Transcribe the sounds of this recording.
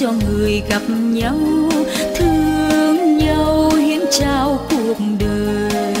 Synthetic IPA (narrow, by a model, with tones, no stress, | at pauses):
ɔ˧ŋɨ˨˩əjɣa˨˩p̚ɲə˧˦wt̪ʰɨ˧əəŋɲə˧whi˧˦ənt͡ɕaː˧wku˨˩ək̚ɗəː˨˩j